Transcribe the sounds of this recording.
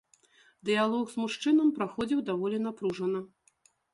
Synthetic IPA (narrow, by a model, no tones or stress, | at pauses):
d̪ɨjalˠɔɣzmuʂt͡ʂɨnɐmpɾaxɔd͡zʲiwd̪avɔlʲinapɾuʐɐnɨ